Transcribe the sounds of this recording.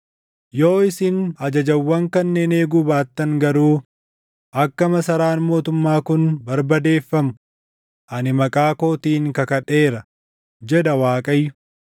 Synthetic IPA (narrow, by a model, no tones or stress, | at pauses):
jo̞ːɪsɪnɐd͡ʒɐd͡ʒɐwːɐŋkɐnːeːne̞ːɡuːbaːt̪ːɐŋɡɐɾuː | ʔɐkːɐmɐsɐɾaːnmo̞ːt̪ʊmːaːkʊnbɐɾbɐd̪e̞ːfːɐmʊ | ʔɐnɪmɐkʼaːkoːt̪iːŋkɐkɐᶑe̞ːɾɐ | d͡ʒɛd̪ɐwaːkʼɐjːʊ̥